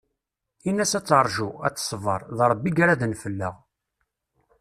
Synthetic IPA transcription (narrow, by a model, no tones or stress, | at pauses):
inːæsæt͡sːɾˤʒuæt͡sːsˤvə̰ɾˤðɾˤəbːiɡaɾaðnfəlːə̰ʁ